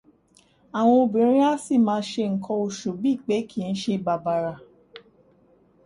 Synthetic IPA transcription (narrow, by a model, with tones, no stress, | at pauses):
a˨w̃ɔ̃˧o˧bĩ˨˦ɾ̃ĩ˦a˦si˦˨mãː˧˦ʃe˧ŋ̩˨kɔ̃˧o˧ʃo˨bi˦˨k͡pe˨˦ki˨n̩˦ʃe˧ba˨ba˨ɾa˨